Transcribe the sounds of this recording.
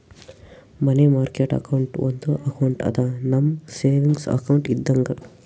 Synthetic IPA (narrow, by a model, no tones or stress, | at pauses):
mɐnemaːɾkeːʈɐ̰kɐwuɳʈond̪uʔɐkɐwuɳʈɐ̰d̪anɐmːseːʋiŋɡsɐ̰kɐwuɳʈid̪ːɐŋɡɐ